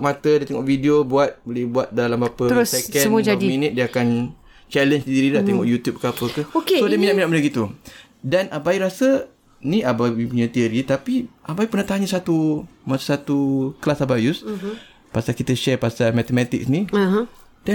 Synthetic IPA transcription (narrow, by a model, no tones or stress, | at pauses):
mat̪ədiət̪ɛŋɔʔvidiobuat̪̚bəlɛhbuat̪̚dalambapəəɾʊsekɛsəmuad͡ʒadiminit̪̚diəakan | t͡ʃɛlənsdiɾidaɛŋɔʔjut̪jup̚kapəkəokeodiəminaʔminaʔmənəɡit̪u | danʔabaiɾasə | niabaibipuɲat̪iəɾit̪apiʔabaipərnat̪aaɲəsat̪umasasat̪uklasabajus | pasalkit̪əʃɛrpasalmat̪əmɛt̪ḭk̚sni | da